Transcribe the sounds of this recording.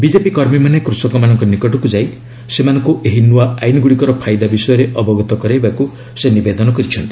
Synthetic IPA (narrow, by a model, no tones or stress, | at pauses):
bid͡ʒepikɔɾmimanekɾusɔkɔmanɔŋkɔnikɔʈɔkud͡ʒaj | semanɔŋkuʔeɦinuwaajnɔɡuɽikɔɾɔpʰajd̪abisɔjɔɾeʔɔbɔɡɔt̪ɔkɔɾajbaku | senibed̪ɔnɔkɔɾit͡ʃʰɔnt̪i̥